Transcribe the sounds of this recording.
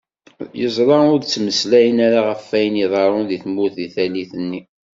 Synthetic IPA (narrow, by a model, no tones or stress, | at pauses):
jəzˤɾˤɑʊɾt͡sːməslæjənæɾaʁəfːæjəniðˤɑɾˤʊnðiθmuθiθæliθənːi